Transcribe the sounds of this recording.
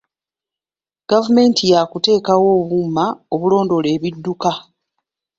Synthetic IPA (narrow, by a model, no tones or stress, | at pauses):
ɡ̥avume̞ːntijakute̞ːkawo̞ːβuːmao̞βulo̞ːndo̞le̞ːβidːuka